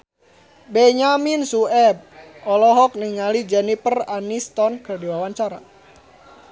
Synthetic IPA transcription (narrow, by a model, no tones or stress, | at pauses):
bɛɲaminsuɛb̚ʔɔlɔɦɔk̚niŋalid͡ʒɛnipəranist̪ɔnkərdiwawaɲt͡ʃaɾa